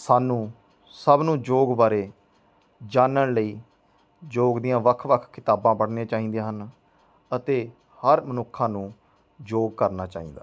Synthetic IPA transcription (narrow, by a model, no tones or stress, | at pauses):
saːnũː | səbnũːd͡ʒoːɡbaːɾeː | d͡ʒaːnəɳləiː | d͡ʒoːɡd̪ɪjãːʋəkʰʋəkʰkɪt̪aːbãːbəɽnẽːt͡ʃaːɦĩːd̪aːɦən | ət̪eː | həɾmənʊkʰːãːnũː | d͡ʒoːɡ̚kəɾnaːt͡ʃa̰ːḭːnd̪aː